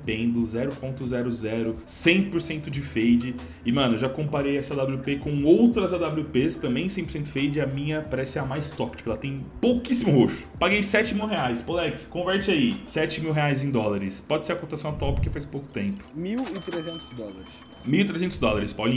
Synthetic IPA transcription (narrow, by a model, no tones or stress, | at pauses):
pẽnd̪ʊzɛɾʊpõnt̪ʊzɛɾʊzɛɾʊsẽj̃poɾsẽnt̪ʊd͡ʒɪfejd͡ʒɪ | ɪmɐ̃nʊewʒakõpaɾejɛsad̪ablʲupekõowt̪ɾɐzad̪ablʲupest̪ɐ̃mbẽj̃sẽj̃poɾsẽnt̪ʊɪfejd͡ʒɪɐmĩɲɐpaɾɛsɪɛɐmajst̪ɔpt͡ʃi̥kɛlɐt̪ẽj̃powkisimʊoʃʊ̥paɡejsɛt͡ʃɪmiwɦeajspolɛkskõvɛɾt͡ʃɪaisɛt͡ʃɪmiwɦeajzẽj̃d̪ɔlaɾɪspɔd͡ʒɪseɾɐkot̪asɐ̃w̃at̪uawpoɾkefajspowkʊ̥t̪ẽmpʊ̥miwit̪ɾezẽnt̪ʊzd̪ɔlaɾɪs | miwit̪ɾezẽnt̪ʊzd̪ɔlaɾɪspawlĩ